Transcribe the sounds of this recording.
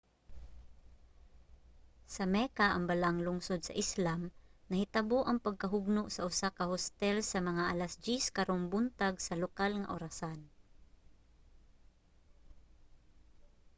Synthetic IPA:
sɐmɛkaʔɐ̰ŋbalaŋlʊŋsod̪̚sɐ̰ʔɪslamnɐhɪt̪ɐboʔɐŋpɐɡ̚kɐɦʊɡ̚noʔsɐʔʊsakɐhost̪ɛlsɐmɐŋaʔalasd͡ʒiskɐɾoŋbʊnt̪aɡsɐlokalŋa̰ʔʊɾasan

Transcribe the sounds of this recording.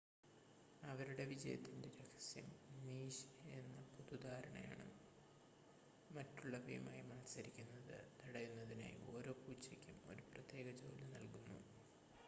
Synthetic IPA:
ɐʋɐɾuɽe̞ʋid͡ʑɐjɐ̰t̪ːinde̞ɾɐɡɐ̥sjɐ̰mniːɕe̞nːɐpud̪ud̪aːɾɐɳɐ̰ja̰ːɳɨ̰ | mɐtːuɭːɐbḭjma̰ːjimaːtsɐɾikʲːunːɐðɨ̰t̪ɐɽɐjunːɐðina̰ːjio̞̰ːɾo̞ːpːuːt͡ɕːɐkʲːumo̞ɾuprɐt̪ːje̞ːɡɐd͡ʑo̞ːlɨnɐlkunːṵ

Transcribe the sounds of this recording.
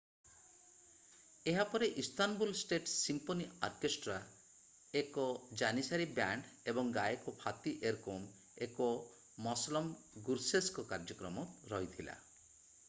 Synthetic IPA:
eɦapɔɾeʔist̪anbulsʈeʈsimponiɔɾkesʈɾa | ekɔd͡ʒanisaɾibaɳɖebɔŋɡajekopʰat̪iʔeɾkom | ekɔ | mɔslɔm | ɡuɾseskɔkaɾd͡ʒɔkɾɔmɔtɾɔɦit̪ʰila̰

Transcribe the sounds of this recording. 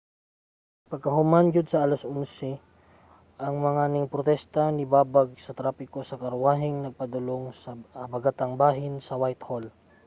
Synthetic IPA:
pɐɡ̚kɐɦʊmand͡ʒʊd̪sɐʔalɐsʔʊnsɛ | ʔɐŋmɐŋanɪŋpɾot̪ɛst̪ɐnɪbaːbɐɡ̚sɐt̪ɾaːpɪkosɐkɐɾwaːɦɪŋnɐɡ̚pɐd̪ʊloŋsɐbɐɡat̪ɐŋbaːɦɪnsɐwajt̪hol

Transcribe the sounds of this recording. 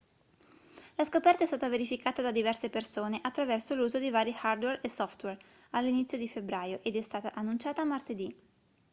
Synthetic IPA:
laskopɛrt̪aɛst̪aːt̪aveɾifikaːt̪ad̪ad̪ivɛrsepersoːneʔat̪ːɾavɛrsoluːzod̪ivaːɾixard̪wɛresːɔft̪wɛr | alːinit̪sːjod̪ifebɾaːjoʔed̪ɛst̪aːt̪aʔanːunt͡ʃaːt̪aːmart̪ed̪i

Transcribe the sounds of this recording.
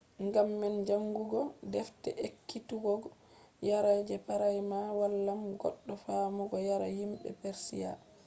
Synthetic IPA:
ŋɡamːɛnd͡ʒaŋɡuɡɔdɛftɛ̰ʔekːituɡɔɡ | jaɾad͡ʒɛpaɾajmawalːamɡɔ̰ɗːɔfamɔɡɔjaɾahimɓɛ̰pɛɾsḭja̰

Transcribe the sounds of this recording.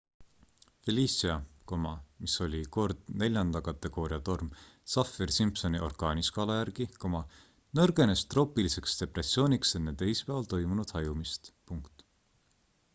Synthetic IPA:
feliːsiɑko̞mɑmiso̞lʲiko̞rd̪̥ne̞lʲjɑnd̪ɑkɑt̪ːˑe̞ɡ̥o̞ːɾijɑt̪o̞rmsɑfirsimpso̞niʔo̞rkɑːniskɑːlɑjærɡ̥iko̞mɑ | nɤrɡ̥e̞ne̞st̪ro̞ːpilise̞kst̪e̞pre̞sio̞ːnʲikse̞nːed̪e̞jspævɑlt̪o̞jmunud̪̥hɑjumist̪puŋkt̪ˑ

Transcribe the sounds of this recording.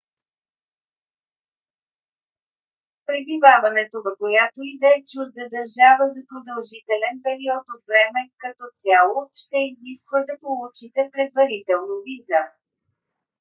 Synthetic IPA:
pɾɛbivavɐnɛt̪ovɐkojat̪oid̪ɛɛt͡ʃuzd̪əd̪əɾʒavəzɐpɾod̪əlˠʒit̪ɛlɛnpɛɾiɔt̪ot̪vɾɛmɛkɐt̪ɔt̪sʲjalˠoʃt̪ɛiziskvəd̪ɐpolˠut͡ʃit̪ɛpɾɛd̪vɐɾit̪ɛlˠnovizə

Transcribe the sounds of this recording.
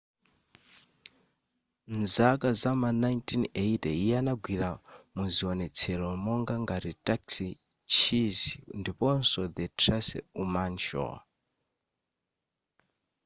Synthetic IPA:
nzakazamanajntʰʼineitɛianaɡwiɾamuziɔnɛt͡sʰɛlɔmɔŋɡaŋɡaɾitʼaksi | t͡ʃʰizindipɔnsɔd̪ɛtʰrasɛ̰umant͡ʃɔ̰

